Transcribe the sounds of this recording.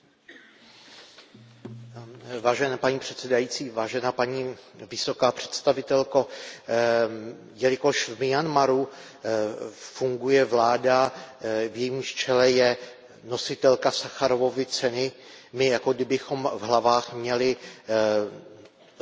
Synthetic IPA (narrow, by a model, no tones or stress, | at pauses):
vaːʒɛnaːpaɲiːpr̥ɛt̪sɛdajit͡siːvaːʒɛnaːpaɲiːvɪso̞kaːpr̝̥ɛ̥t̪st̪avɪt̪ɛlko̞ | jɛlɪko̞ʃvmɪjanmaɾu | fuŋɡujɛvlaːda | vjɛjimʃt͡ʃɛlɛjɛ | no̞sɪt̪ɛlkasaxaɾovo̞vɪt͡sɛnɪ | mɪjako̞ɡdɪbɪxo̞mvɦlavaːxmɲɛlɪ